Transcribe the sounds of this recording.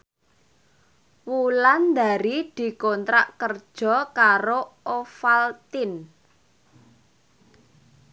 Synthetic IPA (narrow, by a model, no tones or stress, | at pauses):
wuland̪a̤ɾid̪̥i̤kɔnt̪ɾaʔkərd̥ʒ̥ɔ̤kaɾoofalt̪ɪn